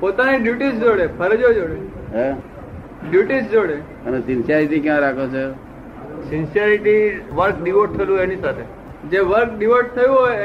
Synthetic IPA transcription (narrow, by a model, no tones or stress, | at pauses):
pot̪aniɖjuʈisd͡ʒoɽepʰəɾd͡ʒod͡ʒoɽeɦɛ | ɖjuʈisd͡ʒoɽe | ənesɪnsijaɾiʈikjãɾakʰot͡ʃʰe | sɪnsjəɾiʈiʋəɾkɖiʋoʈ̚t̪ʰːəlũɛnisat̪ʰe | d͡ʒeʋəɾk̚ɖiʋoʈ̚t̪ʰəjũɦoj